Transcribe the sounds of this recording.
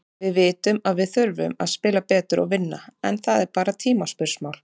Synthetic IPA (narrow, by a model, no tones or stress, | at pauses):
vɪðvɪːt̪ʏmaðvɪðθʏɾvʏ̰maðspɪːlapɛːt̪ʏɾʔɔ̰ɣvɪnːaɛ̰nθaðɛɾpaːɾat̪ʰiːmaspʏɾ̥smaːwl